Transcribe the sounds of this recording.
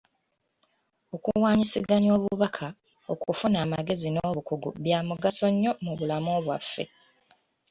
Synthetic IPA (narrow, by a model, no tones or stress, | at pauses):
o̞kuwaːɲisiɡaɲo̞ːβuβakʰa | o̞̰kufunaːmaɡe̞zinoːβukuɡṵβjaːmuɡaso̞ɲːo̞muβulamoːβwafːe̞̰